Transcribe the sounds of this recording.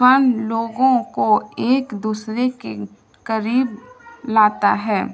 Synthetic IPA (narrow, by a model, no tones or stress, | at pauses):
ənloːɡõkoeːkd̪uːsɾeke | kəɾiːblaːt̪a̰ɦɛː